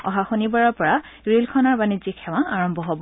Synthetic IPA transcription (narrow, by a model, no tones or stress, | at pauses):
ɔ̰ɦaxunibaɹɔɹpɔɹa | ɹilkʰɔnaɹbanizikʰːɛwãaɹɔmbʱɔɦɔbɔ